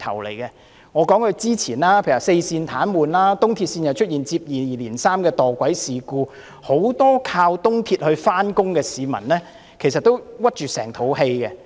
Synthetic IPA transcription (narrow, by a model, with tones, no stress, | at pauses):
t̪ʰɐ˨˩wlḛ˨˩jkɛ˧ | ŋɔː˨˧kɔː˨˥ŋhɵ˧t͡siː˥t͡sʰiː˨˩naː˥pʰjːse˧jsiː˧nt̪ʰaː˨˥nmuː˨nlaː˥t̪ʊ˥ŋt̪ʰiː˧t̚siː˧njɐ˨˩wt͡ʃʰɵ˥t̚jiː˨˩nt͡siː˧p̚jiː˨liː˨˩nsaː˥mkɛː˧t̪ɔː˨˩kʷwɐ˨˥jsiː˨kuː˧ | ho˨˥wt̪ɔː˥kʰaː˧wt̪ʊ˥ŋt̪ʰiː˧t̚hɵ˧ɥfaː˥nkʊ˥ŋkɛː˧siː˨˧mɐ̰˨˩nlɛː˥ | kʰe˨˩jsɐ˨t̚t̪o˥wwɐ˥t̚t͡ʃyː˨sɛː˨˩ŋt̪ʰo˨˥whe˧jkɛ˧